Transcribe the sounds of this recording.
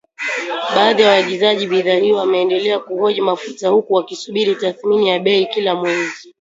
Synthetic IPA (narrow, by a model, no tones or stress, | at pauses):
ɓaːðijawaaɠizaʄiɓiðahiɔwamɛːndɛlɛakuhɔʄimafutahukuwakisuɓiɾitaθminijaɓɛikilamwɛzi